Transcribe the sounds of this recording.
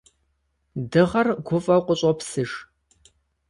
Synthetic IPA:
dɨʁɐrɡʷʊfʼɐqʷʼʊɕʼɔpsɨʂ

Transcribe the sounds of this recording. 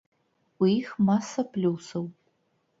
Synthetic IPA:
ixmaːsɐpʰluwsɐw

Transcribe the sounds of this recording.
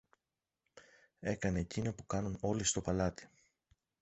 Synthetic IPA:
e̞kɐne̞ːcinopukɐnuno̞list̪o̞pɐlɐt̪i̥

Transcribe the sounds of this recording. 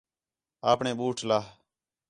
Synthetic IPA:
aːpɳẽːɓuːʈʰlaː

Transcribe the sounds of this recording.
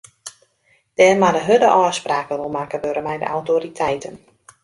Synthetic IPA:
d̥ɛːrmadəɦødəʔɔːspraːkərumakəʋøɾəmɛjdə̰ʔa̰wtoɾitʰɛjtʰən

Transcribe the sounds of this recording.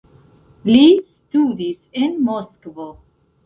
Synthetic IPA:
listudisenmoskvo

